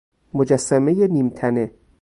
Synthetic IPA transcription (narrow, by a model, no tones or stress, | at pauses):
mod͡ʒæsːæmejeniːmt̪ʰæne